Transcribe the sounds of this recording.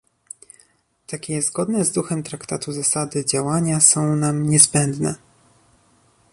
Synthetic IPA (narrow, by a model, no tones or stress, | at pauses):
t̪akʲɛzɡɔd̪nɛzd̪uxɛmt̪ɾakt̪at̪uzasad̪ɘd͡ʑawaɲasɔ̃w̃namɲɛzbɛnd̪nɛ̰